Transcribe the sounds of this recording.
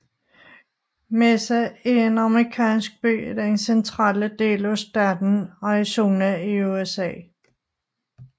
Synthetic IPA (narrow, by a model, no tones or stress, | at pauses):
mesæeenɑ̈mʁikʰɛ̰ːnsɡ̥̚b̥y̰ːdæɐensent͡sʰʁɑ̰̈ːləd̥e̝̰ːlæsd̥æd̥n̩ɑiso̝ːnæiuesɛ̰ː